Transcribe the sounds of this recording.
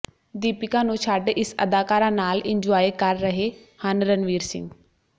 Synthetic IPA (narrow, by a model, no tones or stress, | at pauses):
d̪iːpɪkãːnũːt͡ʃʰaːɖɪsə̰d̪aːkaːɾãːnaːlɪ̃ɲd͡ʒaːikəɾːəɦeː | hanɾənʋiːɾsɪ̰ŋɡ